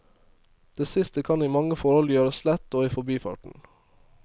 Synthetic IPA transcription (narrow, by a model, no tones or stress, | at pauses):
d̪̥eːsɪst̪əkʰɑniːmɑŋəfɔɾhɔljøːɾəslɛt̪ːoːiːfɔbiːfɑ̰ːʈɳ̩